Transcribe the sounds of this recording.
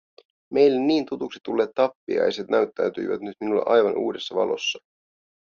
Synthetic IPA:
me̞jlːenːiːnt̪ut̪uksi̥t̪ulːe̞ːt̪ːɑpːḭɑ̰jset̪næyt̪ːæɥt̪y̰jʋæt̪nyt̪minulːɑ̰ʔɑjʋɑnʔṵːde̞sːɑʋɑ̰lo̞̰sːɑ̥

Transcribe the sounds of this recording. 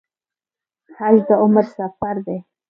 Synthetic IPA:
xald̪əʊməɾsafaɾd̪e

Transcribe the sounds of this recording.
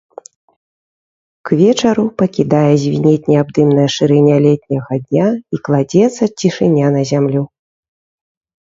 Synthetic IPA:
kvʲɛt͡ʂɐɾupɐkʲid̪ajɛzʲvʲinʲɛt̪ʲnʲɛabd̪ɨmnɐjɐʂɨɾɨnʲalʲɛt̪ʲnʲɐɣad̪̚ʲnʲaiklˠad͡zʲɛt̪sɐt͡sʲiʂɨnʲːanɐzʲamlʲu

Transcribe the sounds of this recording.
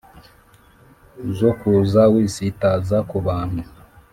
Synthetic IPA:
zokuzawiːsitazakuβaːn̥hu

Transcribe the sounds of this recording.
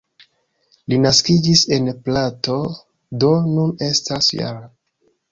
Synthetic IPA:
linaskid͡ʒise̞nplato̞ | do̞nune̞stasja̰ɾa

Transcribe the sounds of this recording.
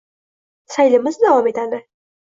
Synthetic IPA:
sajlɪmɪzd̪avɒme̞t̪ad̪ɪ

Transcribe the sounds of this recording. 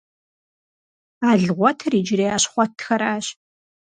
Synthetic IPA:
aːɮʁʷɔtʰriːd͡ʒɪreːaːɕχʷɔtʰxɐɾaːɕ

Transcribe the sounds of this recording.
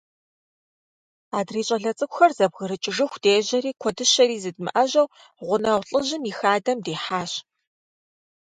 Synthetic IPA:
aːdriːɕʼɐɮɐt͡sʼɨkʷʊxɐrzɐbɣəɾɨt͡ʃʼɪʐɨxʷd̥eːʑɐɾiːkʷʰɔdɨʃɐɾiːzɨd̚mɨ̰ʔɐʑɐw | ʁʷʊnɐwɬʼɨʑɪmixaːdɐmdeːħaːɕ

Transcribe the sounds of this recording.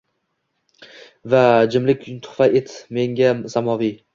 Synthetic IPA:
vad͡ʒɪmlɪkʲt̪ʰʊ̥faet̪me̞ŋɡʲasamɒvi

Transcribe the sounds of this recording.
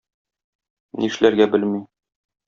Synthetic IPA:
nʔiʃlæɾɡæbɘlmi

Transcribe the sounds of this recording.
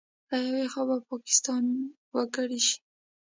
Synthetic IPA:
ɾajawexɑbapɑkɪ̥st̪ɑn | wəɡəɽiʃi̥

